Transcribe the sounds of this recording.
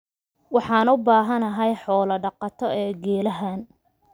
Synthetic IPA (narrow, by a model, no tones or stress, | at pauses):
wɑħɑːnʊbaːɦɐnɐɦɐjħɔːlɐɖɑqɑt̪ʰɔɛːɡɛːlɐɦaːn